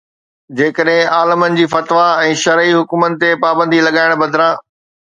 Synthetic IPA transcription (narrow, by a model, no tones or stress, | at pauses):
d͡ʑeːkəɗɦɪ̃aːləmənɪ̆d͡ʑiːfɐt̪ʋaɛ̃ːʃɐɾiɦʊkʊmənɪ̆t̪epaːbə̃nd̪ʱilɐɠaːɪɽ̃bɐd̪ʱɪɾãː